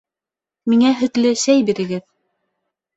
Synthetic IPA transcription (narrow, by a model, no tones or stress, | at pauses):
miŋæɦɵ̆t̪lɘsæjbiɾɘ̆ɡɘð